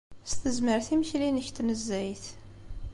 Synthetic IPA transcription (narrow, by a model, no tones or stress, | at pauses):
st̪əzməɾθiməçlinəçt̪nəzːæjθ